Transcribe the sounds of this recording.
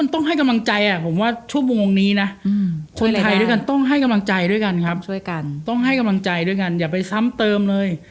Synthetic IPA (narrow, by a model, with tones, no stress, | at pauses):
nt̪ɔ˥˩ŋɦa˥˩jka˧mla˧ŋt͡ɕa˧jʔa˨˩pʰo˩˦mwaː˥˩t͡ɕʰu˥˩mu˧ŋːo˧ŋniː˦˥na˦˥kʰo˧nt̪ʰa˧jdu˥˩jka˧nt̪ɔ˥˩ŋɦa˥˩jka˧mla˧ŋt͡ɕa˧jdu˥˩əjka˧nkʰa˦˥p̚u˥˩jka˧t̪ɔ˥˩ŋɦa˥˩jka˧mla˧ŋt͡ɕa˧jdu˥˩əjka˧njaː˨˩pa˧jsa˦˥mt̪ɤː˧mlɤː˧j